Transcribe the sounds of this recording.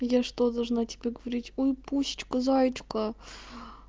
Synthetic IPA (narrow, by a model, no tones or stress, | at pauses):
jaʂt̪od̪ɐlˠʐnatʲɪ̥bʲeɡəvɐɾʲitʲojpuɕɪ̥t͡ɕkəzajɪt͡ɕkə